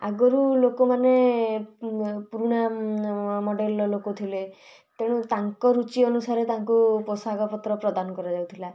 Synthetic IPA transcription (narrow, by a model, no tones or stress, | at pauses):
aɡɔɾulokɔmane | puɾuɽ̃a | mɔɖelɔlokot̪ʰile | t̪eɽ̃ut̪aŋkɔɾut͡ʃiɔnusaɾet̪aŋkupɔsaɡɔpɔt̪ɾɔpɾɔd̪anɔkɔɾad͡ʒawt̪ʰila